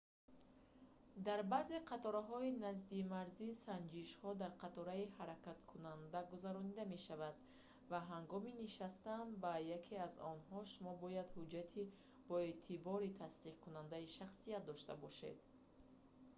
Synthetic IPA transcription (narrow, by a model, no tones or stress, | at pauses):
d̪aɾbazeqʰat̪ɔɾaɦɔinazd̪imaɾzisand͡ʒiʃhɔd̪aɾqʰat̪ɔɾaihaɾakat̪kʰunand̪aɡuzaɾɔnid̪ame̞ʃavad̪ | vaɦaŋɡɔminiʃast̪ambajakʰeazɔnhɔʃumɔbɔjad̪hud͡ʒat̪ʰi | b̥ɔe̞t̪ʰibɔɾit̪ʰast̪iqkʰunand̪aiʃaχsijat̪̚d̪ɔʃt̪a̰bɔʃḛd̪